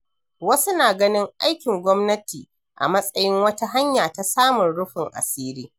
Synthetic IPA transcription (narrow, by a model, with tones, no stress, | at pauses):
wɐ˦su˦naː˨ɡɐ˦nɪ˦ŋʔa˦jkʲɪ˨ŋɡʷɔ˦mnɐ˦tiː˨ | ʔa̰˨mɐ˦sʼɐ˦jɪ˦ŋwɐ˦ta˦ɦa˦ɲjaː˨ta˦saː˦mʊ˨nɽʊ˦ɸɪ˨ŋʔa̰˨siː˦ɾiː˦